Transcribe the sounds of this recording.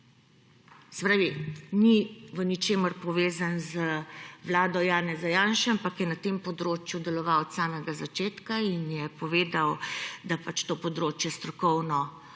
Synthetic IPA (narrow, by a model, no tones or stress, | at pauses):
spɾaːʋiniʋənit͡ʃeːməɾpɔʋeːzanzəʋlaːd̪ɔjaːnɛzajaːnʃaampakjɛnat̪eːmpɔd̪ɾoːt͡ʃjud̪ɛlɔʋawɔt̪saːmɛɡazat͡ʃeːt̪kainjɛpɔʋeːd̪awd̪apat͡ʃt̪oːpɔd̪ɾoːt͡ʃjɛst̪ɾɔkɔwnɔ